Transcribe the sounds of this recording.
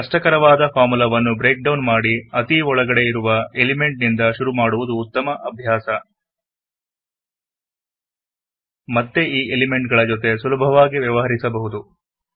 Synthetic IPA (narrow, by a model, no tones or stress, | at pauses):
kɐʂʈɐkɐɾɐʋaːd̪ɐpʰaːmulɐʋɐnːubɾe̞ːk̚ɖɐwnmaːɽiɐt̪iɔɭɐɡɐɽe̞iɾuʋɐelime̞ɳʈnind̪ɐʃuɾumaːɽuʋud̪uːt̪ːɐmɐʔɐbʱjaːsɐ | mɐt̪ːe̞ʔiːʔelime̞ɳʈ̚ɡɐɭɐd͡ʒot̪̬e̞sulɐbʱɐʋaːɡiʋjɐʋɐɦɐɾisɐbɐɦud̪u